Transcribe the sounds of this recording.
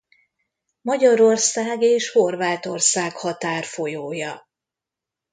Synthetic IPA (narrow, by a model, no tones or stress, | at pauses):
mɒɟɒɾo̞rsaːɡeːʃho̞rvaːt̪o̞rsaːkhɒt̪aːrfo̞joːjɒ